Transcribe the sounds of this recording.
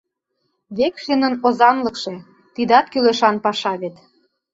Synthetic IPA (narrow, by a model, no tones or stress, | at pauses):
βekʃinə̆nozɑnlɤ̆kʃe̽ | t̪id̪ɑt̪kyleʃɑnpɑʃɑβet̪